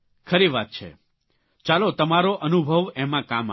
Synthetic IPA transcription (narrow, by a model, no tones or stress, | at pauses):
kʰəɾiʋat̪̚t͡ʃʰḛ | t͡ʃalot̪əmaɾoʔənubʱəʋɛmãkama